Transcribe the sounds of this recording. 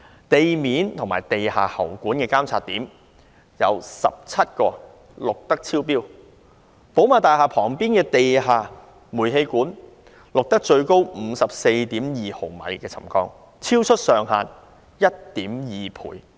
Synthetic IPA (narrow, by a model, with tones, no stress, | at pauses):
t̪e˨jmiː˨˥nt̪ʰʊ˨ŋmaː˨˩jt̪e˨jhaː˨hɐ˨˩wkuː˨˥nkɛː˧kaː˥mt͡sʰaː˧t̚t̪iː˨˥m | jɐ̰˨˧wsɐ̰˨p̚t͡sʰɐ˥t̚kɔː˧ | lʊ˨k̚t̪ɐ˥k̚t͡sʰiː˥wpiː˥w | po˨˥wmaː˨˩t̪aː˨jɦaː˨pʰɔː˨˩ŋpiː˥nkɛː˧t̪e˨jɦaː˨˩ | muː˨˩jɦe˧jkuː˨˥n | lʊ˨k̚t̪ɐ˥k̚t͡ʃɵ˧ɥko˥wm̩˨˧sɐ˨p̚se˧jt̪iː˨˥mjiː˨ho˨˩wmɐ̰˨˧jkɛː˧t͡sʰɐ̰˨˩mkɔː˧ŋ | t͡sʰiː˥wt͡ʃʰɵ˥t̚sœː˨ŋɦaː˨n | jɐ˥t̚t̪iː˨˥mjiː˨pʰṵː˨˩j